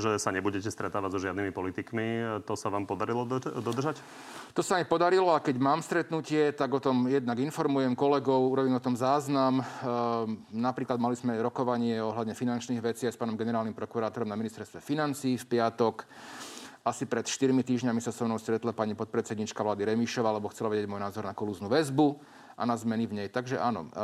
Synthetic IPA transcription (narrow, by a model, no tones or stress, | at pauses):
ʒɛsaɲɛbuɟɛcɛst̪ɾɛt̪aːʋaɟzɔʒɪad̪nimipɔlit̪ikmit̪ɔsaʋaːmpɔd̪aɾilɔd̪ɔd̪r̩ʒac | t̪ɔsamipɔd̪aɾilɔakɛɟmaːmst̪ɾɛt̪nucɪɛt̪aɡɔt̪ɔmjɛd̪naɡinfɔɾmujɛmkɔlɛɡɔʊuɾɔbiːmɔt̪ɔmzaːznam | napɾiːklad̪malizmɛɾɔkɔʋaɲɪɛɔɦlad̪ɲɛfinant͡ʃniːɣʋɛt͡siajspaːnɔmɡɛnɛɾaːlnimpɾɔkuɾaːt̪ɔɾɔmnaminist̪ɛɾst̪ʋɛfinant͡siːfpɪat̪ɔk | ʔasipɾɛt̪ʃt̪iɾmit̪iːʒɲamisasɔmnɔʊst̪ɾɛt̪lapaɲipɔt̪̚pɾɛt͡sɛd̪ɲiːt͡ʃkaʋlaːd̪iɾɛmiʃɔʋaːlɛbɔxt͡sɛlaʋɛɟɛɟmɔjnaːzɔɾnakɔluznuʋɛzbu | ʔa̰nazmɛnivɲɛjt̪aɡʒɛ̰ʔanɔ̰